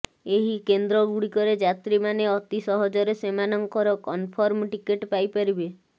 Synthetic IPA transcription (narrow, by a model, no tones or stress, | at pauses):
eɦikend̪ɾɔɡuɽikɔɾed͡ʒat̪ɾimaneɔt̪isɔɦɔd͡ʒɔɾesemanɔŋkɔɾɔkɔnpʰɔɾmʈikeʈpajpaɾibe